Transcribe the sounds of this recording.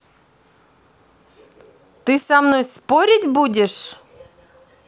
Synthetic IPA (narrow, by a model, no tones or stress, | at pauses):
t̪ɨsamnojspoɾʲɪtʲbudʲɪʂ